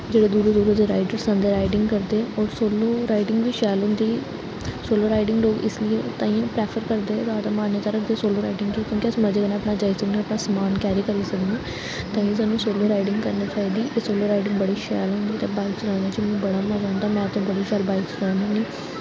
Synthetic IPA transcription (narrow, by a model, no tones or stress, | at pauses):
d͡ʒeːɽeːd̪uːɾod̪uːɾoːd̪eːɾa̰ːɪɖəɾsãːnd̪eːɾaːɪɖɪ̃ŋɡkəɾd̪eːɔːɾsoːloːɾaːɪɖɪŋɡʋiːʃɛːlɦʊ̃ːnd̪iː | soːloːɾaːɪɖɪŋɡloːɡɪslɪet̪ãːiːãːpɾɛːpʰəɾkəɾd̪eːzaːd̪aːmaːnjat̪aːɾəkʰd̪eːsoːloːɾaːɪɖɪ̃ŋɡkikjõːkɪəsməd͡ʒəɡənãːəpnaːd͡ʒaːiːsəknẽːəpnaːsəmaːnkɛːɾiːkəɾiːsəkd̪ẽː | t̪ãːĩs̬aːnːũːsoːloːɾaːiɖɪ̃ŋɡkəɾnaːt͡ʃaːɦiːd̪iːʔeːsoːloːɾaːɪɖɪ̃ŋɡbəɽiːʃɛ̰ːlɦʊ̃nd̪iːt̪ẽːbaːɪksʊɾãːnd̪aːd͡ʒɪmũːbəɽaːmãd͡ʒãːnd̪aːmɛ̃ːt̪õːbəɽiːʃɛːlbaːɪksʊnãːãːniː